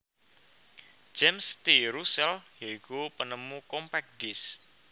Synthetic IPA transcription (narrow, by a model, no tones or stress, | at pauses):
d͡ʒɛmst̪iɾusɛljaikupənəmukɔmpɛk̚dɪs